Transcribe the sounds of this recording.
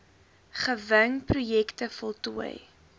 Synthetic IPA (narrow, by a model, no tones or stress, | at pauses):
χəvəŋprujɛktəfɔlˠtuəj